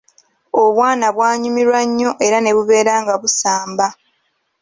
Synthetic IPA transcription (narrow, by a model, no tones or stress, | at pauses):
o̞βwaːnaβwaːɲumiɾwaɲːo̞ʔe̞ɾane̞βuβe̞ːɾaːŋɡaβusaːmba